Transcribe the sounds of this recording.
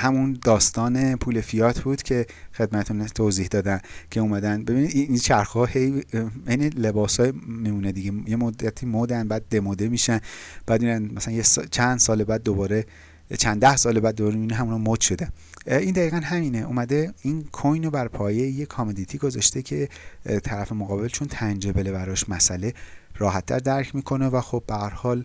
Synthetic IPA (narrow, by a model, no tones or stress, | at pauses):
hæmund̪ɒːst̪ɒːne̞pʰuːlefijɒːt̪ʰbuːd̪̥cʲʰe̞xe̞d̪̚mæt̪et̪ʰunt̪ʰoːziːhd̪ɒːd̪æncʰe̞uːmæd̪ænbe̞biːnid̪iint͡ʃʰæɾxɒːhejejnile̞bɒːsɒːjmimuːned̪iɟejemod̪ːæt̪ʰiːmod̪ænbæːd̪̚ːe̞mod̪e̞miːʃænb̥æːd̪miːɾænmæsælænjest͡ʃʰænd̪̥sɒːlebæːd̪ːobɒːɾe̞ | t͡ʃʰænd̪æhsɒːlebæd̪ːoɒːɾeminiɦæmunɒmod̪̥ʃo̞d̪æn | ind̪æɣiːɣænɦæmiːneʔṵːmæd̪e̞inkʰojnobæɾpʰɒːjejekʰɒmed̪it̪ʰiːɡozɒʃt̪e̞cʰe̞t̪ʰæɾæfe̞moɣɒːbe̞lt͡ʃʰont̪ʰænd͡ʒebelebæɾɒʃmæsælerɒːɦæt̪ʰːæ̰ɾd̪æɾcʰmiːkʰo̞nevæxo̞b̚bːehæɾhɒːl